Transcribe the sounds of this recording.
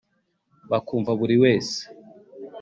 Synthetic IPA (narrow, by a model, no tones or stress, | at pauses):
βakuːɱvaβuɾiwe̞ːse̥